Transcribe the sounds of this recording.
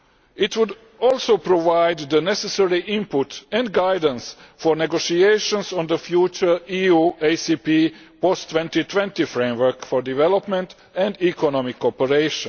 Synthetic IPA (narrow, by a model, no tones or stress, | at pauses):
it̪wʊd | ɔːlˠsoʊpɾɔʋaɪd̪ːənɛsɛsɛɹiʔɪ̃mpʊt̪ɛ̃ndɡaɪdə̃nsfɔɹnɛɡoʃieɪʃɔ̃nsɔ̃nd̪əfjuːt͡ʃə˞iuːeɪsipi | pɔst̪wɛ̃nt̪it̪ʰwɛ̃nt̪ifɹẽmwə˞kfɔɹdivɛlɔpmɛ̃nt̪ | ɛ̃nd̪ikʰɔnɔmɪkʰːɔpəɹeɪʃə̃n